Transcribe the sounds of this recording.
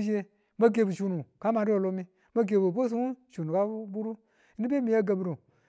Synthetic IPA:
d͡ʒe˦ | ma˦ɡe˨bu˨ʃu˨nu˨ka˦ma˨du˦o˨lo˦mi˦ | ma˦ɡe˨bu˨bo˦s̬u˦u˦ʃu˨nu˨ka˦bu˦ɾu˦ | ni˦be˦mi˨ja˦ɡa˨bi˦ɾo˨

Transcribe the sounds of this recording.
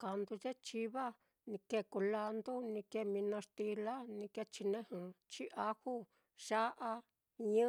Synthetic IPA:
ka˧nd̪u˧ʒe˦t͡ʃi˧βa˦ | nĩ˧ke˧˨ku˧la˧nd̪u˦nĩ˧ke˧mĩ˧nã˧ʂt̪i˧la˦nĩ˧ke˧t͡ʃi˧nẽ˦hɨ̃˧˨t͡ʃi˦ʔa˦hu˦ | ʒ̥a˦ʔa˧ | ɲɨ̃˦

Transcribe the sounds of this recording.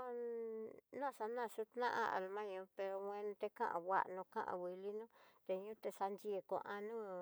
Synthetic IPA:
o˦˧ | nã˦˨sa˧nã˧˨su˦t̪nã˦ʔã̰˧a̰˨˧lmã˦ɲõ˧pe˧ɾo˧wẽ˧ñ˧t̪e˧kã̰˦ʔã̰˨βʷa̰˧ʔnũ˧kã˦ʔã̰˧˨wi˨li˦nũ˦t̪e˧ɲũ˦t̪e˧sa˧nd͡ʒi˧˦e˧ko̰˧ʔã˧nũ˦

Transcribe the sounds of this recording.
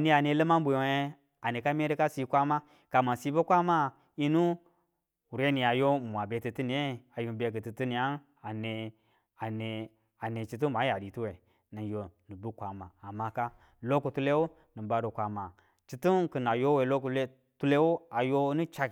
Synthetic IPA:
ni˦a˨ne˧lə˦ma˦m˦bu˨˦e˦ | a˨ne˨ka˦me˦ɾi˦ka˦si˧kʷa˦ma˦ | ka˨ma˨si˦bo˦kʷa˦ma˦ | i˦nu˦ | u˨ɾe˦ni˨a˨jo˦˨mʷ˨a˨be˨tɨ˨tɨ˦ni˨e˦a˨ju˨be˨kɨ˨tɨ˨tɨ˦ni˨a˦n | a˨ne˨ | a˨ne˨ | a˨ne˨t͡ʃi˨t̬u˦ma˨˦ja˨di˨tu˦we˨ | nɨ˨jo˨nɨ˨bu˦kʷa˨maː˨ma˨ka˦ | lo˦ku˨tu˧le˦wu˦ | nɨ˨ba˨ɾo˨kʷa˨ma˨ | t͡ʃi˨tu˦nkɨ˨na˨jo˦we˨lo˦ku˨le˦ | tu˦le˦wu˦a˨jo˦nu˦t͡ʃa˦k

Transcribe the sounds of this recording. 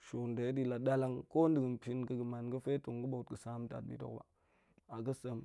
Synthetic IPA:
ʃo˨nde˨˦di˦la˨da˦la˦ŋko˦n˦də˨ɡə˨npi˦nɡə˨ɡə˨ma˨nɡə˦fe˦to˨ŋɡə˦bo˨t̚ɡə˨sa˦m˦ta̰˨t̚bḭ˨to̰˦kba̰˨ | a˨ɡə˦sə˦m

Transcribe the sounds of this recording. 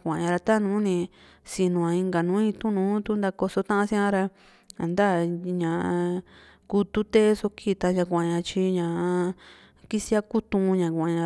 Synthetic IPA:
kʷã˨ɲã˧ɾa˧t̪a˦˧nũ˨˦nĩ˧ | si˧nũ˨ã˨˧ĩ˧ŋɡa˨nũ˨˦ĩ˧t̪ũ˦nũː˨˦t̪u˦nd̪a˧ko˧so˧t̪ã˦ã˧sĩ˦ã˧˦ɾa˧ | a̰˨nd̪a˦˨ɲã˨˧ | ku˧t̪u˦t̪e˦so˧kʰi˦˨t̪a˧ɲã˧kʷã˨ɲã˧t͡ʃi˧ɲã˨ | ki˦si˦a˦ku˦t̪ũ˧ɲã˨kʷã˨ɲã˧

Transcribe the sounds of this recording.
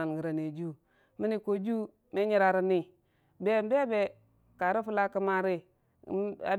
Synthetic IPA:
a˨nɡi˨ɾa˨ne˨d͡ʒu˦ | mi˦ni˦˨ko˨d͡ʒu˦ | me˦ɲi˦ɾa˨ɾi˦ni˦ | be˦˨m˦be˦be˨ | ka˨ɾi˦fu˦la˦kə˦ma˦ɾi˦˨˦ | a̰˨

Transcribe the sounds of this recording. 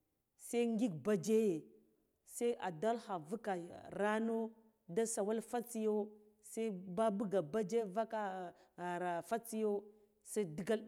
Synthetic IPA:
sa˦ŋ˦ɡi˦ɡ̚ba˦d͡ʒe˦je˨ | sa˦ʔa˨da˦lha˨vu˦ka˨ɾa˦no˦ | da˦sa˨wa˦lfa˦t͡si˦jo˦ | sa˦i˦ba˦bu˦ɡa˨ba˦d͡ʒe˦va˦ka˦ | ɣa˨ɾa˨fa˦t͡si˦jo˦ | sa˦di˦ɡa˦

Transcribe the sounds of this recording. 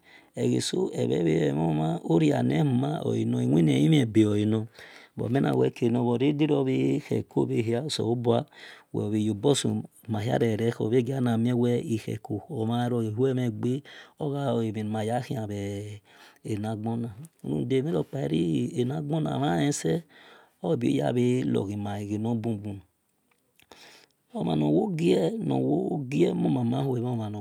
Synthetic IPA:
e˨ɣḛ˨so˦ɛ̰˨βɛ̰˨˦βe˦˨m˦ma˦o˦ɾi˦a̰˨ne˦hu˨ma̰˦o̰˨i˨no˨i˨wʷe˦ne˨i˦m˦e˨be˨o˨i˨no˨bo̰˨me˦na̰˨wɛ̰˦˨ke˨no˨βo˨ɾe˦di˦ɾo˦˨βe˦hḛ˨ko˦˨be˨ɦi˦a˦˨so̰˨o˦bu˦a˦wɛ̰˨o˨βi˨jo˨bo˦sṵ˨ma˨ɦja̰˦ɾe˨ɾɛ˦ho̰˨βe˦ɡi˦a˦na˨m˦e˦wɛ˦i˨hɛ̰˨ko˨o˨ma˦ɾo˨e˨hu˦ɛ˦me˨ɡ͡be˦o˦ɣa˦o˨e˨me˨ma˨ja˦hi˦a˨βɛ˨ | e˨na˨ɡ͡bo˦na˨ṵ˦nṵ˦˨de˨˦˨me˦ɾo˦˨k͡pa˨ḛ˨˦ɾi˦e˨na˨ɡ͡bo˦na̰˨ma˦je˦sɛ˦ | o˦˨bi˨˦o̰˦ja̰˦˨βe˦lo̰˨ɣi˨ma˨i˨ɡi˨no˦bu˦˨bu˨n˨ | o˨ma̰˨no˨wo˦ɡi˦ɛ˦no̰˨wo˦ɡi˦ɛ˦mo˦ma˨ma˦ho˦e˨m˦ma˨no˨

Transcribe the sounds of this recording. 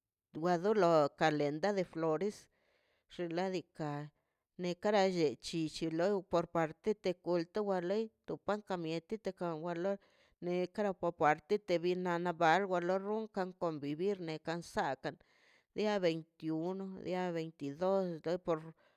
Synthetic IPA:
wʷa˧d̪u˦lo˧ka˨le˨nd̪a˦d̪e˧flo˨ɾe˦s | ʐ̥e˧la˦d̪i˧ka˨ | ne˧ka˦ɾa˧ʒe˨t͡ʃi˧t͡ʃi˧lo˦po˧ɾpa˨ɾt̪e˦t̪e˧ku˧lt̪a˦wa˧le˦jt̪u˨pa˦ŋka˧mje˧t̪i˦t̪e˧ka˧wa˧lo˦ɾ | ne˧ka˦ɾa˧po˧pa˨ɾt̪e˦t̪e˧βi˧na˧na˧ba˨˧lɡʷa˧lo˦ɾu˦ŋka˧ŋko˧mbi˨βi˦ɾne˨ka˧nsa˧ka˧n | d̪ja˦βe˨jnt̪i˧u˧no˧d̪ja˦βe˨jnt̪i˨d̪o˦slo˦jpo˧ɾ

